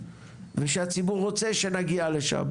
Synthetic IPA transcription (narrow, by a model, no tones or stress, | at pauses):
veʃeat͡sibuʁːot͡seʃenaɡialeʃa̰m